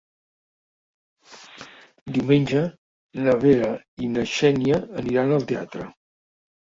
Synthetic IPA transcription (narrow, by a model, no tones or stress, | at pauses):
d̪iumenʲd͡ʒə | nəβeɾə | inəʃɛniəːniɾanəlˠt̪ea̰t̪ɾə̰